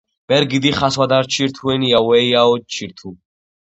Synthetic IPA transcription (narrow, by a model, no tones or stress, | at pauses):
b̥ɛɾɡid̪iχaswad̪aɾt͡ʃʰiɾt̪ʰuɛniawɛiaɔt͡ʃʰiɾt̪ʰu